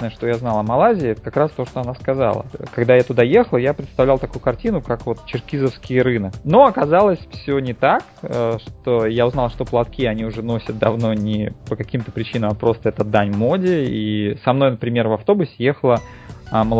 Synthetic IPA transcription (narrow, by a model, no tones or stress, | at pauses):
nəjəʂt̪o̞jaznɑlˠɐmɐlˠazʲɪːɛt̪ə̥kakɾast̪o̞ʂt̪o̞ɐnaskɐza̰lˠə̰kɐɡd̪ajat̪ʊd̪aje̞xəlˠəjapɾʲɪt̪st̪ɐvlʲælˠt̪ɐkujʊkɐrtʲinʊkakvo̞t̪t͡ɕɪrkʲizəfskʲɪjɾɨnəno̞ɐkɐzalˠəsʲfsʲonʲɪt̪akəʂt̪o̞jaʊznɑlˠʂt̪o̞plˠɐt̪kʲiɐnʲiʊʐɛno̞sʲət̪̚d̪ɐvno̞nʲɪpəkɐkʲimt̪əpɾʲɪt͡ɕinəmapɾo̞st̪əɛt̪əd̪anʲmodʲɪisɐmn̪o̞jnəpɾʲɪmʲe̞rvɐft̪o̞bʊsʲɪje̞xəlˠə | ɐməlˠ